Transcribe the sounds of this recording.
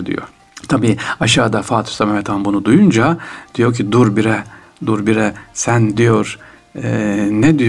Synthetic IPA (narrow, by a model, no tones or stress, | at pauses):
d̪ḭjo̰ | t̪ʰabiːaʃaːd̪afaːt̪ʰɯ̥ʃsamɛmɛt̪ʰanbunud̪ujund͡ʒad̪̥ijo̞cʰid̪uɾbiɾɛ | d̪uɾbiɾɛsænd̪ijoɾ | nɛd̪ij